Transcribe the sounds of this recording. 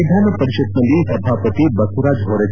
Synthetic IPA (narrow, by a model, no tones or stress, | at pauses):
d̪ʱanɐpɐɾiʃɐt̪mɐlisɐbʱaːpət̪ibɐkʰuɾad͡ʒɦoːɾɐ